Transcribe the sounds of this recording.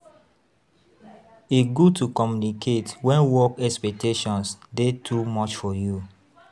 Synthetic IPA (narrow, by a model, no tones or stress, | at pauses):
eɡutukɔmjunikʰetwɛ̃nwɔkɛspɛk̚teʃɔ̃nsdetʰumɔt͡ʃfɔju